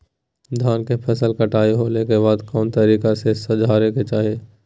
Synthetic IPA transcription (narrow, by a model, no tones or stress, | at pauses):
d̪ʱaːnkepʰɛsəlkɐʈaːiɦoːlekebaːd̪kɔːnt̪ɐɾiːkasesɐd͡ʒʱaːɾeket͡ʃaːɦieː